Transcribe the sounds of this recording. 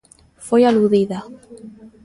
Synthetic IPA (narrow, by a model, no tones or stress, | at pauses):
fojaluðiða